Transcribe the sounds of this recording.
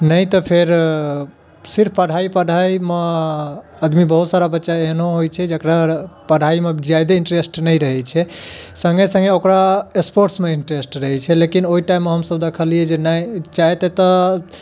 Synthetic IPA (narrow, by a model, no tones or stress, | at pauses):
nəjt̪ɔpʰeɾ | siɾpʰpəɽʱaipəɽʱaime | əd̪mibəɦut̪saɾabətːʃaeɦnõɦojt͡ʃʰɛd͡ʒəkɾapəɽʱaimed͡ʒjajd̪eiɳʈɾesʈnəjɾəɦɛt͡ʃʰɛsə̃ŋɡesə̃ŋɡeokɾaespoɾʈsmeiɳʈɾesʈɾəɦɛt͡ʃʰɛlekinoiʈaimːeɦəmsəbd̪ekʰəlied͡ʒenajt͡ʃaɦet̪et̪ɔ